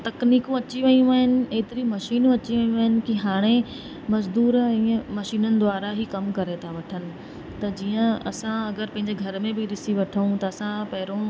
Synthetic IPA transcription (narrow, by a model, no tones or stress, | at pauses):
t̪ɐkniːkũɐt͡ɕiʋɐijũaːɦɪnɪ̆eːt̪ɪɾimɐʃiːnũɐt͡ɕiʋɐĩũaːɦɪnɪ̆kiɦaːɽ̃e | mɐzd̪uːɾɛ̃ːmɐʃiːnənɪ̆d̪ʊwaːɾaɦikɐmkɐɾet̪ʰaʋɐʈʰənɪ̆ | t̪ɐd͡ʑiːə̃ɐsãɐɡəɾpɐ̃ɦɪ̃ɲd͡ʑeɡʱɐɾmẽbɪɗɪsiʋɐʈʰəũt̪ɐɐsãpɐɦɪɾõ